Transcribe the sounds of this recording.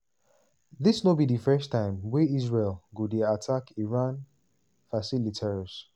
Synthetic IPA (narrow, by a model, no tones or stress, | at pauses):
ðisnobidifɛstãɪ̃mwɛizɹelɡudeatʰakiɹãn | fasilitʰɛɹz̥